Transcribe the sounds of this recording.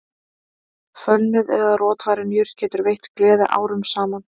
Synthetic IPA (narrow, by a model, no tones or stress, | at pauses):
fœlnʏðɛðarɔːt̪vaːjɾɪnjʏɾt̪cʰɛːt̪ʏɾvejht̪klɛːðɪʔa̰ːwɾʏmsaːman